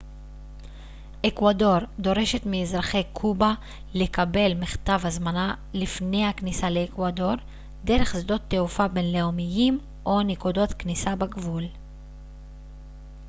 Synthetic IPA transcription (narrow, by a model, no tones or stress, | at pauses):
ʔekwado̞ʁd̪o̞ʁe̞ʃe̞t̪miezʁaχe̞jkʰuba | le̞kabe̞lmiχt̪avhazmana | lifne̞jhaknisaleːkwado̞ʁ | de̞ʁe̞χzdo̞t̪ːeufabe̞nle̞omijim | ʔo̞nikudo̞t̪knisabaɡvul